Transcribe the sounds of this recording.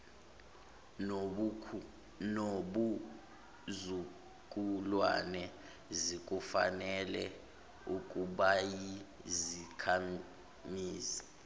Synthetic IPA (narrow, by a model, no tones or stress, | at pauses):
nɓu | zu | kʼulwa̰nɛ | zik̬ʼufa̰nɛlɛ | ukʼuɓaji | zikʰa | miːzḁ